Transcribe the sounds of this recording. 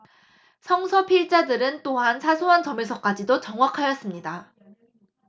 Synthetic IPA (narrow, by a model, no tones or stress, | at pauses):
sʰʌŋsʰʌpʰiɭt͡ɕ͈adɯɾɯnt͈oɦansʰasʰoɦant͡ɕʌmes̬ʰʌk͈ad͡ʑidot͡ɕʌŋwakʰajʌs͈ɯmɲida